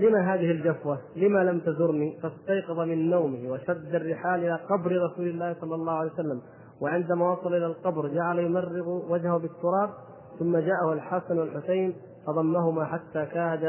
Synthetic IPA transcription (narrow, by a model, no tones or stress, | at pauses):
lɪmaɦaːðɪhɪld͡ʒafwalɪmalamt̪azʊɾnifast̪ɑjqɑðˤɑmɪnːawmɪhwaʃad̪ːarːɪħaːlʔɪlaːqɑbɾɾˤɑsuːlɪlːaːhsˤɑlːɑlːɑːʕalejwsalːam | wɪʕɪnd̪amaːwɑsˤɑlʔɪlalqɑbɾd͡ʒaʕalajʊmarːɪɣwad͡ʒhahbɪt̪ːʊɾˤɑːb̚ | θʊmːad͡ʒaːʔahalħasanwalħʊsajn | fɑðˤɑmːaɦʊmaħat̪ːaːkaːd̪a